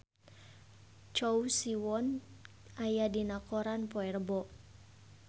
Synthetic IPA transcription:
t͡ʃɔusiwɔn | ajadinakɔɾanpɔɛrbɔʔ

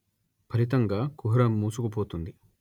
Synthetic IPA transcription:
pʰɐlit̪ɐŋɡɐkuɦuɾɐmːuːsukupʰoːt̪und̪i

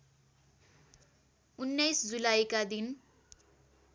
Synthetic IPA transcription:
unːʌjsd͡zulajkad̪in

